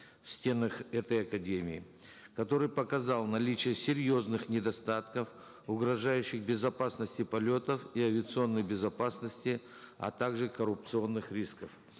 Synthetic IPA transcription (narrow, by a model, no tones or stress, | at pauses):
fsʲtʲe̞nəxɛt̪əjɐkɐdʲemʲɪɪ̰ | kɐt̪o̞ɾɨjpəkɐzalˠnɐlʲit͡ɕɪjəsʲɪɾʲjo̞znɨxnʲɪd̪ɐst̪at̪kəf | ʊɡɾɐʐajʉɕːɪxbʲɪzɐpasnəsʲtʲɪpɐlʲo̞t̪əfiɐvʲɪət̪sɨo̞nːəjbʲɪzɐpasnəsʲtʲɪ | ɐ̰t̪aɡʐɨkəɾʊp̚t̪sɨo̞nːɨxɾʲiskəf